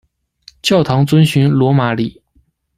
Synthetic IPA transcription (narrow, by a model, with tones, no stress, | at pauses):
t͡ɕjɑ˥˩ʊt̪ʰɑ˧˥ŋt͡swə˥nɕy˧˥nlwɔ˧˥ma˧˥li˨˩